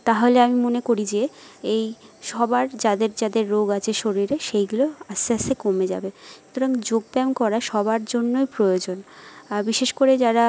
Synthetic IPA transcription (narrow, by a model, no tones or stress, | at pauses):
t̪aɦoleamimonekoɾid͡ʑeejʃɔbaɾd͡ʑad̪eɾd͡ʑad̪eɾːoɡat͡ɕʰeʃoɾiɾeʃejɡuloasasekomed͡ʑa̰beʃut̪ʰoɾaŋd͡ʑoɡ̚bɛmkɔɾaʃɔbaɾd͡ʑonːojpɾojod͡ʑonbiʃeʃkoɾed͡ʑaɾa